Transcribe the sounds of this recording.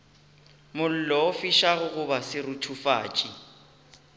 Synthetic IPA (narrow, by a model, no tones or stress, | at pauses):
mʊl̩lɔɔfiʃaɣʊɣʊbasɪrʊtʰufa̰ːt͡ʃʼi